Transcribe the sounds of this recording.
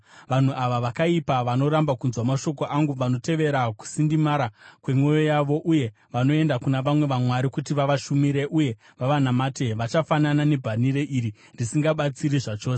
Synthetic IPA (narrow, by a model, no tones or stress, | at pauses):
ʋan̤uaʋaʋakaipaʋano̞ɾambakunzwamaʃo̞ko̞ʔaŋɡuʋano̞te̞ʋe̞ɾaku̥sindimaɾakwe̞mwo̞jo̞jaʋo̞ʔuje̞ | ʋano̞e̞ndakunaʋamwe̞ʋamwaɾikutiʋaʋaʃumiɾe̞ʔuje̞ | ʋaʋanamaːte̞ʋat͡ʃafananane̞bʱaniɾe̞ʔiɾi | ndisiŋɡaɓat͡siɾiʐat͡ʃo̞ːs